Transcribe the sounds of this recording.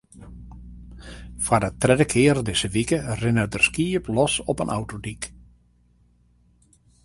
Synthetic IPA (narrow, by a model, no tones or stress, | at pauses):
fadətrɛdəkʰɪərdɪsəʋikərɪnədərskiəplɔsɔpənʔa̰wtodik